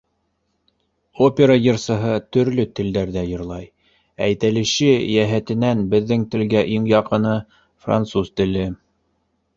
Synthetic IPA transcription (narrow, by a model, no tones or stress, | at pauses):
opʲeɾajɤ̆ɾsɤ̆ɦɤt̪ɵ̆ɾlɵt̪ɘ̆ld̪æɾðæjɤ̆ɾlˠɑj | æjt̪ælɘ̆ʃɘjæɦæt̪ɘ̆nænbɘ̆ðːɘŋt̪ɘ̆lɡæʔiŋjɑqɤ̆nɤ | fra̰nt̪suzt̪ɘ̆lɘ